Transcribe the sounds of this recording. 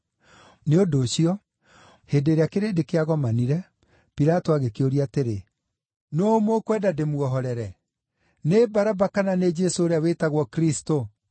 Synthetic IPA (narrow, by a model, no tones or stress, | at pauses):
neodoːɕiɔ | heːdeɾeakeɾedekeaɣɔmaniɾɛ | piɾatoaɣekeoɾiateɾe | nomokwɛdademuɔɦɔɾɛɾɛ | nebaɾabakananed͡ʒesooɾeaweːtaɣwɔkɾisto